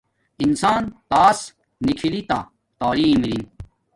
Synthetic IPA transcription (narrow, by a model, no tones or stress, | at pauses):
insaːnt̪aːsː | ikʰilit̪a | t̪aːliːmɾin